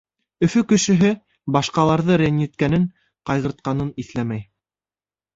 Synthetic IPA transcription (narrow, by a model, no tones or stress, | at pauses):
ɵ̆fɵkɵ̆ʃɘ̆ɦɘ | bɑʃqɑlˠɑɾðɤɾenʲjit̪kænɘŋ | qɑjʁɤ̆ɾt̪̚qɑnɤniθlæmæj